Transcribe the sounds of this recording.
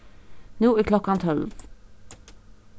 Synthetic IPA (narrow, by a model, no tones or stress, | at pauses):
nuːiːkʰlɔkɑnt̪ʰɔlʋ